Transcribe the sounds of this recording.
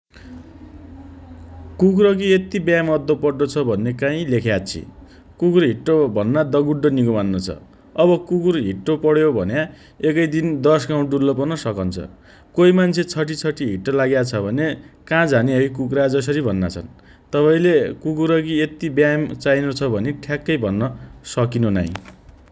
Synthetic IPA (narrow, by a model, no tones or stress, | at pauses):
kuk̬ɾʌk̬iet̪ibjamʌd̪ʱːopʌɽːot͡sʰʌbʱʌnːekãĩlekʰjat͡sʰḭ | kukurɦiʈrobʱʌnːad̪ʌɡuɖːʌniɡomanːʌt͡sʰʌ̰ | ʌbʌkukurɦiʈːopʌɽjobʱʌ̰nja | ekʌjd̪ind̪ʌsɡaw̃ɖulːʌpʌrnʌsʌkʌnt͡sʰʌ̰ | koimant͡sʰet͡sʰʌʈ̬it͡sʰʌʈiɦiʈːʌlaɡjat͡sʰʌbʱʌnekãd͡zʱaneɦʌjkukrad͡zʌs̬ʌɾibʱʌnːa̰t͡sʰʌ̰n | t̪ʌpaĩlekukuɾʌkiet̪ibjamt͡sajnot͡sʰʌbʱʌneʈʰjakːʌjbʱʌnːʌsʌkinona̰j̃